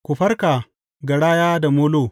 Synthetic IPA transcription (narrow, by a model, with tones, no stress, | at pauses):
kʷu˨ɸɐ˦rka˨ | ɡɐ˨ɽaː˦jaː˦da˨moː˦loː˦˨